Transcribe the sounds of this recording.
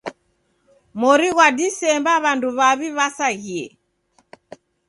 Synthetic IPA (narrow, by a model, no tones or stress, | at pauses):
mɔɾiɣwadisɛmbaβanduβaβiβasaɣiɛ̰